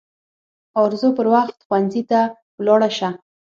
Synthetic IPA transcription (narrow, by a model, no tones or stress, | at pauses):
ɑɾzopəɾwaxt̪xwanzit̪a | wlɑɽaʃa